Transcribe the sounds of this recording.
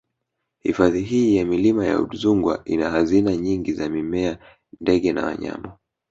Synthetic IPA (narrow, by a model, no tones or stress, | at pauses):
hifaðiɦiːjamilimaja̰ṵɗuzuŋɡwaʔinahazinaɲiŋɡizamimɛa | ndɛɠɛna̰wa̰ɲa̰ma